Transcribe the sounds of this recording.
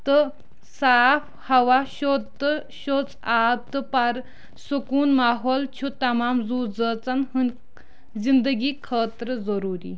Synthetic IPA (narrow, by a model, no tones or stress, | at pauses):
t̪ɨ | saːfʰ | hɐʋaʃod̪tːəʃot͡saːb̚t̪ɨpɐɾ | sukuːnmaːɦoːlt͡ʃʰut̪ɐmaːmzuːd͡zəːt͡sɐnɦɨn | zind̪əɡiːkʰəːt̪ɾəzɐɾuːɾḭː